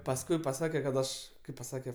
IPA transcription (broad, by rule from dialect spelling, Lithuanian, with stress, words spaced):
pɐsˈkʊɪ pɐˈsɑːkʲɛ kɐt ˈɐʃ ˈkɐɪp pɐˈsɑːkʲɛ